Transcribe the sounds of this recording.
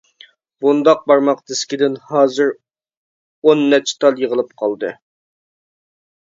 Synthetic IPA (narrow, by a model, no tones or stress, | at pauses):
bund̪ɑq̚bɑɾmɑqd̪ʰɪskʲid̪ɪnhɑːzɨɾ | onːɛt͡ʃʰt̪ʰɑlˠjəʁəlˠɨpqʰɑlˠd̪ɨ